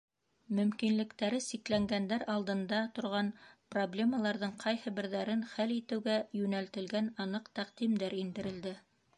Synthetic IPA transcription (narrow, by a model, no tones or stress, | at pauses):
mɵ̆mkinlɘ̆kt̪æɾɘsiklæŋɡænd̪æɾɑlˠd̪ɤ̆nd̪ɑt̪ŏɾʁɑnproblʲe̞mɑlˠɑɾðɤɴqʰɑjhɤ̆bɘ̆ɾðæɾɘnχælit̪ɘ̆wɡæjʉnælt̪ɘ̆lɡænɑnɤqt̪æq̚d̪̥imd̪æɾind̪ɘ̆ɾɘ̆ld̪ɘ